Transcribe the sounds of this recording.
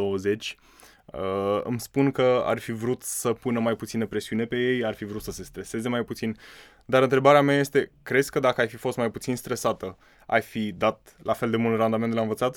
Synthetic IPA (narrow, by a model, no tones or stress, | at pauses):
owəze̞t͡ʃʲ | əɨ̰mspunkəa̰rfivɾut̪səpunəmajput̪sinəpɾe̞siune̞pe̞je̞jarfivɾut̪səse̞st̪ɾese̞ze̞majput̪sin | d̪aɾɨnt̪ɾe̞baɾeameaje̞st̪e̞kɾe̞d̪zʲkəd̪akəajfifo̞st̪majput̪sinst̪ɾesat̪ə | a̰jfid̪at̪ | lʔafe̞ld̪e̞mult̪rand̪ament̪d̪elaɨnvət̪sat̪